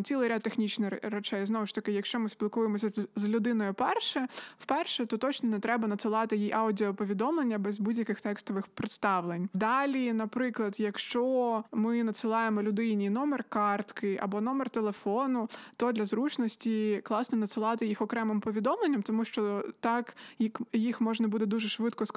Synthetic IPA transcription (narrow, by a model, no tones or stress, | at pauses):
t̪sʲilˠɪjɾʲat̪ːexnʲit͡ʃnɪrɛt͡ʃɛjznɔʋʊʃt̪ɐkɪjɐkʃt͡ʃɔmɪsʲpʲilˠkujemɔsʲɐzlʲʊd̪ɪnɔjʊpɛrʃɛwpɛrʃɛt̪ɔt̪ɔt͡ʃnɔnɛt̪ɾɛbɐnɐt̪sɨlˠɑt̪ɪjiʔɑwdʲiɔpɔʋʲid̪ɔmlˠenʲːɐbɛzbudʲjɐkɪxt̪ɛkst̪ɔʋɪxpɾɪt̪st̪ɑwlˠenʲd̪ɑlʲinɐpɾɪklˠɐd̪jɐkʃt͡ʃɔmɪnɐt̪sɨlˠɑjemɔlʲʊd̪ɪjnʲijnɔmɛrkɑrt̪kɪʔɐ̰bɔnɔmɛrt̪elˠefɔnʊt̪ɔd̪lʲɐzɾut͡ʃnɔsʲtʲiklˠɑsnɔnɐt̪sɨlˠɑt̪ɪjixɔkɾɛmɪmpɔʋʲid̪ɔmlˠenʲːɐmt̪ɔmuʃt͡ʃɔt̪ɑkjikjixmɔʒnɐbud̪ɛd̪uʒɛʃʋɪt̪kɔs